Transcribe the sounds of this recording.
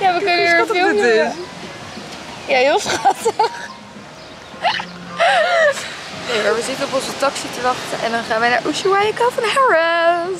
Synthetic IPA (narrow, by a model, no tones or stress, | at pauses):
jaʋəkənəisɑtəɪɪ | jaɦɪlˠsχɑtəχ | nejmaːɹʋəzɪtənɔpɔnzətɑksitəʋɑχtəʔɛ̰ndɑnχaːnʋɛjnaːɹʔuʃuwajəkafɔnɦɛɹə